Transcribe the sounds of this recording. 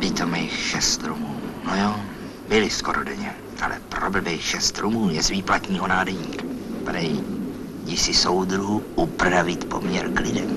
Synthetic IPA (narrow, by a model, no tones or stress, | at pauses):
bɪt̪omɛjxʃɛst̪ɾumuːnojoː | bɪlɪsko̞ɾodɛɲɛ | ʔa̰lɛ̰pɾobɛbɛjxʃɛst̪ɾumuːjɛzviːplat̪ɲiːɦonaːdɛɲiːkḁpɾɛj | jɪsɪsowd̪ɾuɦuʔupɾavɪt̪po̞̰mɲɛɾklɪdɛ̰m